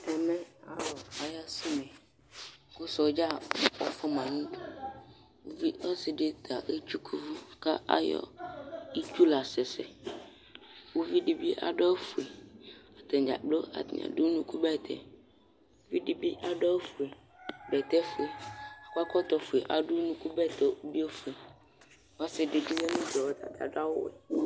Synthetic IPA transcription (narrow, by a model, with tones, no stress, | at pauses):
ɛ˨mɛ̃˦a̰˨wɔ˨a˨ja˦si˦mɛ̃˨ | ku˦sɔ˨˦d͡ʒa˦˨wɔ˦fɔ˦mã˨nũ˦ɖo˦ | wo˦vi˦ʔe˦si˨ɖe˦t̪a˨ʔe˦t͡ʃu˦kʰu˦vu˦ka̰˦a̰˦jɔ̰˦i˦t͡ʃu˦la˨sɛ˨sɛ˨ | wo˦vi˦ɖi˦bi˦ʔa̰˨ɖɔ˦fu˨e˨a˨t̪ɛ˨d͡ʒa̰˨k͡plo˦a̰˨t̪ɲa̰˨ɖu˦nũ˦ku˦bɛ˦˨t̪ʰɛ̰˨ | o˦vi˦ɖi˦bi˦ʔa˨ɖɔ˦fu˨e˨ | bɛ˨t̪ɛ˦fu˨e˨a˨kʷa˦kɔ˦t̪ɔ˨fu˨e˨ʔa˨ɖu˦nũ˦ku˦bɛ˦t̪ɔ˨˦bi˦o˦fu˨e˨ | wo˦a˦si˨ɖe˨d͡ʒi˦le˦nũ˦d͡ʒɔ˨wɔ˦t̪a̰˨t̪a̰˨ɖa˦wo̰˦wɛ̰˨